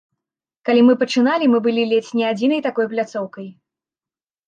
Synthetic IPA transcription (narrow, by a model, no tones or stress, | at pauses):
kalʲimɨpɐt͡ʂɨnalʲimɨbɨlʲilʲet͡sʲnʲɛad͡zʲinɐjt̪akɔjplʲat̪sɔwkɐj